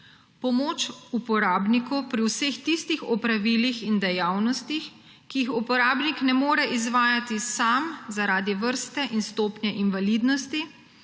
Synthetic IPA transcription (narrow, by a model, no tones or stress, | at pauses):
pɔmoːt͡ʃupɔɾaːbnikɔwpɾiwsext̪ist̪ixɔpɾaʋiːlixind̪ɛjaːwnɔst̪ix | kijixupɔɾaːbniknɛmoːɾɛʔizʋaːjat̪isamzaɾaːd̪iʋəɾst̪ɛʔinst̪oːpnʲjɛʔinʋalid̪nɔst̪i